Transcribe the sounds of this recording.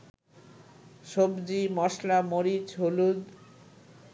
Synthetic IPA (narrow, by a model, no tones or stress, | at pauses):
ʃobd͡ʑimɔʃlamoɾit͡ɕɦolud̪